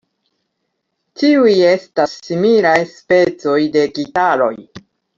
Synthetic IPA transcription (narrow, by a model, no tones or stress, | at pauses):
tiuje̞stasːimilajspe̞t͡so̞jde̞ɡitaɾo̞̰j